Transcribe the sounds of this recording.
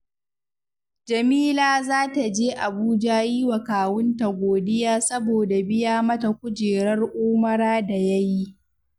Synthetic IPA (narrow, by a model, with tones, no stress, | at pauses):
d͡ʒɐ˨miː˦laː˦˨zaː˦ta˨d͡ʒeː˦ʔa˨buː˦d͡ʒaː˦ji˦wa˨kaː˨wʊ˦nta˨ɡʷoː˨dɪ˦jaː˦sɐ˦boː˨da˨bɪ˦jaː˦mɐ˦ta˨kʷʊ˦d͡ʒeː˨ɾɐ˦rʔuː˦mɐ˦ɾaː˦da˨jɐ˦ji˦